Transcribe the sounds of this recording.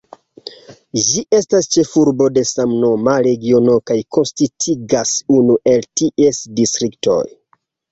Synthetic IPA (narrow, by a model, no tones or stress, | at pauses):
d͡ʒiʔe̞stast͡ʃe̞fuɾbo̞de̞samno̞maɾe̞ɡio̞no̞kajkʰo̞nstitʰiɡasunuʔe̞ltiʔe̞sdistɾikto̞̰j